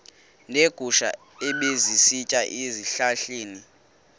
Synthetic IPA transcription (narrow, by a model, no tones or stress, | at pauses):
neɡ̥ʱuʃa̰ | eɓezisit͡ʃʼaʔeziɬaɬeːni